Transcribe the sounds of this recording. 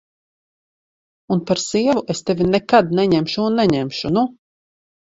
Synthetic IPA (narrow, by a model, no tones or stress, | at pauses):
unpaɾsiɛvuʔest̪evʲinɛkad̪̚nɛɲɛmʃuːnːɛɲɛmʃunu